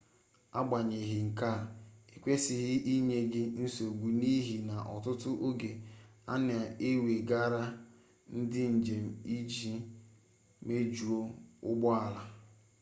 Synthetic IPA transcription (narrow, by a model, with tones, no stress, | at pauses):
a̰˦ɡ͡ba˨ɲe˨ɦɪ˨ŋ̩˨ka˦˨e˨kʷe˦sɪ˨ɦɪ˦ʔi˦ɲe˦ɡɪ˦n̩˦so˨ɡʷu˨ni˦ɦi˨na˨ʔɔ˨tʊ˦tʊ˦ʔo˦ɡe˨a̰˦nɪ˦˨a˨e˦we˨ɡa˦ɾa˦ | n̩˦dɪ˦n̩˨d͡ʒe˨m̩˨i˦d͡ʒi˦ | me˦d͡ʒu˨o˦ʊ˦ɡ͡bɔ˦a˨la˨